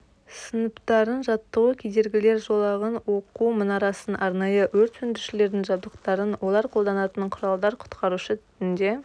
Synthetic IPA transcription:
sənəpt̪ɑɾənʒɑt̪ːəʁəkʲʰejd̪e̞ɾɡʲɪle̞ɾʒo̞lˠɑʁənwo̞qumənɑɾɑsənʔɑɾnɑjəwɵɾt̪sʰʏnd̪ɪɾʃɪle̞ɾd̪ɪŋʒɑbd̪əqt̪ɑɾənwo̞lˠɑɾqʰo̞lˠd̪ɑnɑt̪əɴqʰʊɾɑlˠd̪ɑɾqʰʊ̥t̪qɑɾuʃət̪ʰʏ̥t̪ɪnd̪e̞

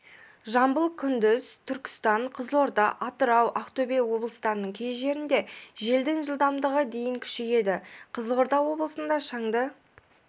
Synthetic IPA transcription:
ʒɑmbəlˠkʲʰːʏnd̪ɪzt̪ʰʏɾkʲɪ̥st̪ɑɴqʰəzlˠo̞ɾd̪ɑʔɑt̪əɾɑwʔɑqt̪obejwo̞blˠəst̪ɑɾənəɴkʲʰe̞zʒe̞ɾɪnd̪e̞ʒe̞ld̪ɪŋʒəlˠd̪ɑmd̪əʁəd̪e̞jɪŋkʲʰʏ̥ʃeje̞d̪ɪqʰəzlo̞ɾd̪ɑwo̞blˠəsənd̪ɑʃɑŋd̪ə

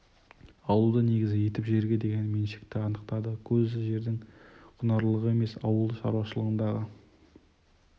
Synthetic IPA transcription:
ɑwəlˠd̪əne̞ɡʲɪzɪje̞t̪ɪpʒeɾɡʲe̞d̪e̞ɡʲe̞nme̞nʃe̥kt̪ɪɑnəqt̪ɑd̪əkʲʰɵzɪʒe̞ɾd̪ɪŋqʰʊnɑɾlˠəʁəe̞me̞sɑwəlˠd̪əʃɑ̰ɾuwɑʃəlˠəʁənd̪ɑʁə

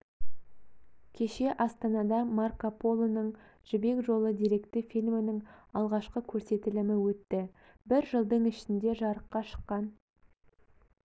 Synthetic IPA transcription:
kʲʰe̞ʃe̞ʔɑst̪ɑnɑd̪ɑmarkopo̞lˠonəɴ | ʒ̥ɪbe̞kʒo̞lˠəd̪iɾe̞kt̪ɪfilʲmɪnɪŋɑlˠʁɑʃqəkʲʰɵɾse̞t̪ɪlɪmɪwɵt̪ːɪ | bɪɾʒəlˠd̪əɴɪʃɪnd̪e̞ʒɑɾəqːɑʃə̥qːɑn

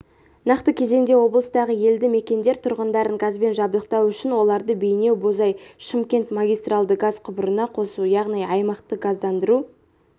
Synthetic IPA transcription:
nɑqt̪əkʲʰe̞ze̞ŋd̪ewo̞blˠəst̪ɑʁəje̞ld̪ɪme̞kʲe̞nd̪e̞ɾt̪ʰʊɾʁənd̪ɑɾəŋɡɑzbe̞nʒɑbd̪əqt̪ɑwʏʃɪnwo̞lˠɑɾd̪əbe̞jne̞wbo̞zɑjʃəmkʲe̞nt̪maɡʲijst̪ralˠd̪əɡɑzqʰʊbɾənɑqʰo̞sujɑʁnijɑjmɑqt̪əɡɑzd̪ɑnd̪əɾu

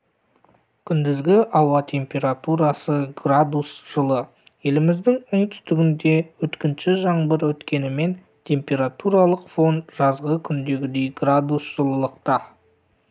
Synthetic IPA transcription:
kʲʰʏnd̪ɪzɡʲɪʔɑwɑt̪ʰe̞mpʲe̞ɾat̪uɾɑsəɡrad̪usʒ̥əlˠə | je̞lɪmɪzd̪ɪŋʊɴt̪ʰʏ̥st̪ɪɡʲɪnd̪e̞wɵt̪kʲɪnʃɪʒɑɴbəɾwɵt̪kʲe̞nɪme̞n | t̪ʲʰe̞mpʲe̞ɾat̪uɾɑlˠəqfo̞nʒ̥ɑzʁəkʲʰʏnd̪e̞ɡʲɪd̪e̞jɡrad̪usʒ̥əlˠəlˠəqt̪ɑ

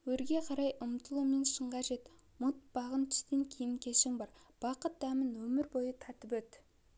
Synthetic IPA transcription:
wɵɾɡʲe̞qʰɑɾɑjʔʊmt̪əlˠume̞nʃəɴʁɑʒe̞t̪ | mʊt̪̚b̥ɑʁənt̪ʰʏ̥st̪e̞ŋkʲʰejɪŋkʲʰe̞ʃɪŋbɑɾb̥ɑqət̪̚d̪æmɪnwɵmɪɾbo̞jət̪ʰɑt̪əpwɵt̪ɪ

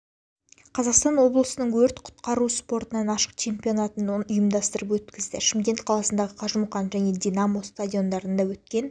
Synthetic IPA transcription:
qʰɑzɑqst̪ɑnwo̞blˠəsənəɴwɵɾt̪qʰʊ̥t̪qɑɾuspo̞ɾt̪ənɑnɑʃə̥q̚t͡ʃʰe̞mpʲio̞nɑt̪ənʊjəmd̪ɑst̪əɾəpwɵt̪kʲɪzd̪ɪʃəmkʲe̞nt̪qʰɑlˠɑsənd̪ɑʁəqʰɑʒəmuqɑnʒæne̞d̪ʲinamo̞st̪adʲijo̞nd̪ɑɾənd̪ɑwɵt̪kʲe̞n

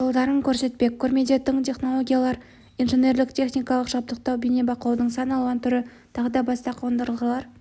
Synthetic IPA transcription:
lˠd̪ɑɾəŋkʲʰɵɾse̞t̪̚pe̞k̚ʲkʰːɵɾmed̪e̞t̪ʰːɪɴt̪ʲʰe̞χno̞lˠo̞ɡʲijalˠɑɾ | inʒenʲe̞ɾlɪkt̪ʲʰe̞χnijkɑlˠəqʒɑp̚t̪əq̚t̪ɑwbene̞bɑqlˠɑwd̪əɴsɑnəɑlˠuʁɑnt̪ʰʏɾɪt̪ʰɑʁəd̪ɑbɑst̪ɑqʰɑwənd̪əɾəlˠʁəlˠɑɾ

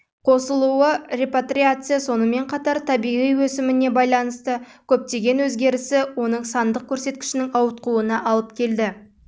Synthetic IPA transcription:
qʰo̞səlˠuəɾe̞pat̪ɾʲiat̪sɨjaso̞nəme̞ɴqʰɑt̪ɑɾt̪ʰɑbijʁijwɵsɪmɪne̞bɑjlˠɑnəst̪əkʲʰɵp̚t̪e̞ɡʲe̞nwɵzɡʲe̞ɾɪsɪwo̞nəɴsɑnd̪əq̚kʲʰɵɾse̞t̪̚kʲɪ̥ʃɪnɪŋɑwət̪̚quənɑʔɑlˠəpkʲʰe̞ld̪ɪ

